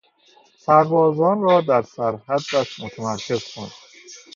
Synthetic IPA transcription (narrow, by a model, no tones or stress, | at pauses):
pʰæɾvɒːzɒːnrɒːd̪æɾsæɾhæd̪ːæʃmot̪ʰæmæɾkʰe̞z̥kʰond̪̥